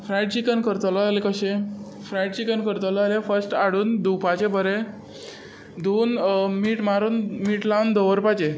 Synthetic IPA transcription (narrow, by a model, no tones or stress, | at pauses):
fɾajɖt͡ɕikənkəɾt̪əlɔalekəɕe | fɾajɖt͡ɕikənkəɾt̪ɔlɔalefəɾsʈaɽuːnd̪upat͡ɕebʱəɾe | d̪oːnmiːʈmaɾuːnmiːʈlawnd̪ɔʋəɾpat͡ɕe